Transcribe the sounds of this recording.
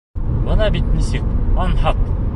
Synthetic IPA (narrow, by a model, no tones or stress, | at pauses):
bɤ̆nɑbit̪nisɘk̚ɒnhɑq